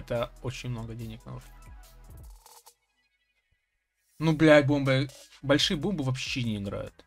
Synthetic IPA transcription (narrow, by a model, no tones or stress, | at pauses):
ɛt̪əo̞t͡ɕɪnʲmno̞ɡədʲenʲɪknɐuʐʲ | nublʲajbombɨbɐlʲʂɨjəbombɨvɐpɕːenʲɪɪɡɾa̰jʊ̰t̪